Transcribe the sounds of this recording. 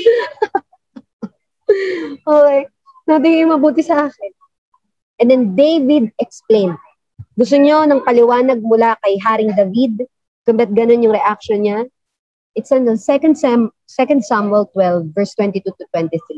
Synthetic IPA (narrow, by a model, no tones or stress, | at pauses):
ʔoːkej | wɛd̪ɪɲɐjʊŋmɐbuːt̪ɪsɐʔaːkɛn | ʔɛ̃nd̪ɛnd̪ejvid̪̚ʔɛksplẽjn | ɡʊs̬t̪oɲo̞nɐŋpɐlɪwaːnɐɡ̚mʊlakɐjɦaːɾɪŋd̪ɐvid̪̚ | kʊmbɛt̪̚ɡɐno̞njʊŋɾɛʔak̚ʃɔnɲa | ʔɪt̪sɐnonsɛkɐnd̪s | sɛkɐnd̪samwɛlt̪wɛlvːɛɹst̪wɛnt̪it̪ut̪ʊt̪wɛnt̪ɪθɾi